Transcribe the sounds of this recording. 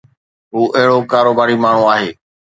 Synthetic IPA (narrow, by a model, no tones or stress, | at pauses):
ɦuːʔɐɦɪɽokaːɾoːbaːɾimaːɳ̤ũaːɦeː